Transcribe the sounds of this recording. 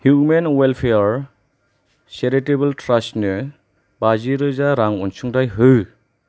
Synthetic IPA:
hjumenwelpʰeɾ | seɾetebɯltɾastnɯ | baziɾɯzaɾaŋɔnsuŋdajɦɯ

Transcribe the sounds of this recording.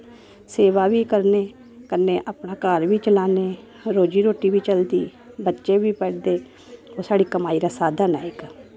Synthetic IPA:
seːʋaːʋikəɾneː | kəɾneːʔəpnaːkaːɾʋʱiːt͡ʃəlaːneː | ɾoːd͡ʒiːɾoːʈiːbiːt͡ʃəld̪iː | bətːʃebʱiːpɛːɽd̪eː | oːsaːɽiːkəmaːiɾasaːd̪anaːeːka

